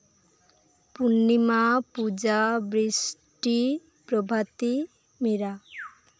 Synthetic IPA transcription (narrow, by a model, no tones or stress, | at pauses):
punːimapud͡ʒabɾisʈi | pɾɔbʱat̪i | miɾa